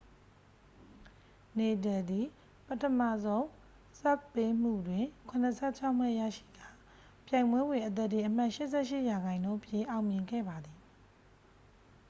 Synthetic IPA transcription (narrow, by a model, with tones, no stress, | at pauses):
ne˨d̬ɛ˨d̪i˨ | pətʰə˨ma̰˦˨zõ˦ʊ̃ | sa˦˨k̚pe˦m̥ṵ˦˨dwɪ̃˨kʰʊ̃˨nəsʰɛ˦˨t͡ɕʰa˦ʊm̥ɛ˦˨jä̰˦˨ʃḭ˦˨ɡa˦˨ | pjã˨ɪ̃mbwɛ˦bwɪ̃˨ʔət̪̬ɛ˦˨t̪ːi˨ʔəm̥a˦ʔʃɪ˦ʔsɛ˦ʃɪ˦ʔja˨ɣã˨ɪ̃ndõ˦ʔəpʰjẽ˨ʔa˨ʊmjɪ̃˨ŋɡɛ̰˦˨ba˨d̪i˨